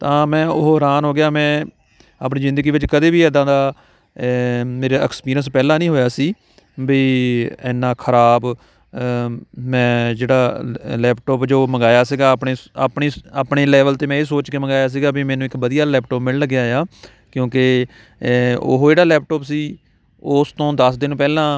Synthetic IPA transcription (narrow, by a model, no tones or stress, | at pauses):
t̪ãːmɛ̃ːʊɦoːɦɾaːnɦoːɡɪjaːmɛ̃ː | aːpniːzɪ̃nd̪əɡiːʋɪt͡ʃkəd̪eːbiːɛːd̪ãːd̪aː | meːɾeːɛkspiːɾəns̬pɛːlãːnĩːɦoːjaːsiː | biːɛːnːãːkʰəɾaːb | mɛ̃ːd͡ʒeːɽaːlɛːpʈoːpd͡ʒoːməŋɡaːjaːsiːɡaːpɳeːpɳiːaːpɳeːlɛːʋəlt̪eːmɛ̃ːeːs̬oːt͡ʃkeːməɡaːjaːs̬iːɡaːbimɛ̃ːnũːɪkʋəd̪ijaːlɛːpʈoːpmɪlləɡeaːjaː | kjõːke | o̰ɦd͡ʒeːɽaːlɛːpʈoːpsiː | ost̪õːd̪əsd̪ɪñːpɛːlãː